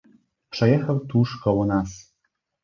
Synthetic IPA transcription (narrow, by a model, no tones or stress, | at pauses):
pʂɛjɛxawt̪uʂkɔwɔnas